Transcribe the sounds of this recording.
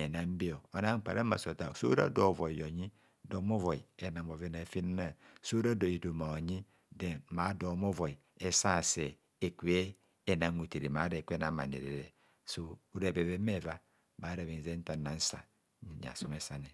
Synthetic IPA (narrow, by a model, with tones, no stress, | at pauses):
e˨na˨m̩˦bi˦o˨o˨na˦ŋ͡m̩˦˨k͡pa̰˨ɾe˦ma̰˨so˨ta˨so̰˦ɾa̰˦do˨vo˨i˨jo˨ɲi˦ | do˨˦mo˦vo˨i˨e˨na˨m˨o˨ve˦na˨fi˦n˦na˨so˦ɾa˦do˨i˨do˨ma˨ɲi˦ | de˨ma˨˦do˨˦mo˦vo˨i˨ | e˦sa˦˨se˨ | e˨kʷe˦ | e˨na˨ŋo˨te˨ɾḛ˨ma˨˦de˨kʷe˦na˨ma̰˨nḛ˨ɾḛ˨ɾḛ˨ | so˦u˦ɾe˨be˨βe˦me˦˨va˦ | ma˨˦ɾe˨βi˨n˨ze˦n̩˦ta˨na˨n̩˦sa̰˨˦ | a̰˨so˦me˦sa˦ne˨